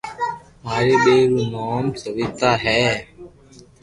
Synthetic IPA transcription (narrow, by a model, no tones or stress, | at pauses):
maːɾeːɓeːɾunoːmsəʋiːt̪aːɦɛː